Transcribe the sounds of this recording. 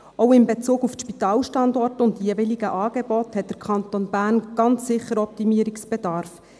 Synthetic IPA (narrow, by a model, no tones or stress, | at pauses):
oʊɪmbet͡suːɡufʃpitɑːlʃtɑndɔrtʊndiəvɪliɡəʔɑːɡ̥ebɔthɛt̚d̥əɾkʰχɑntonbæːnɡ̥ɑnt͡ssɪχːəɾɔp̚timiːəɾɪksb̥ɛdɑɾf